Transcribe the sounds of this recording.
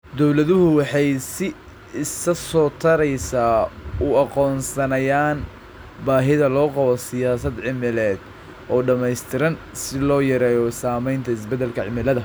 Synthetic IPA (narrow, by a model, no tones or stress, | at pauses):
d̪ɔwlɐðʊɦʊwɑħɑjsɪ | ɪsɐsɔːt̪ʰɐɾɛjsaːʊɑqɔːnsɐnɐjaːn | baːɦɪðɐlɔːqɑβɔsɪjaːsɐd̪ʕɪmɪlɛːd̪ | ʔɔːɖɐmɛjst̪ʰɪɾɐn | sɪlɔːjɐɾɛːjɔsaːmɛjnt̪ʰɐɪsbɛd̪ːɛlkʰɐʕɪmɪlɐðɐ